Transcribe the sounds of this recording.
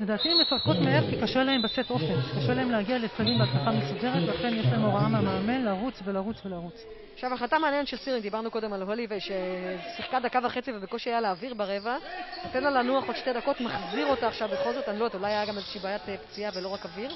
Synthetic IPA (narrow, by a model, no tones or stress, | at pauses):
le̞daːt̪imefaʁkot̪meeʁkikaʃelahembaseto̞fenkaʃelaemlehaɡialetfalimbeadpaχamesude̞ʁet̪velaχenjeʃlaemoʁaamameːme̞nlaʁut͡sve̞laʁut͡svelaʁut͡s | aχʃavaχlatameanjentʃelsiʁiŋɡdibaʁnuko̞de̞malɦolivejʃesiχkadakavaχe̞t͡sivebekoʃeajaleːviʁbaʁe̞vanot̪enlalanuaχodʃte̞dako̞tmaχziʁo̞taːχʃavbe̞χo̞lzo̞tanlot̪ulajajaɡamezeʃiːbaːjatept͡siavelo̞ʁakaviʁ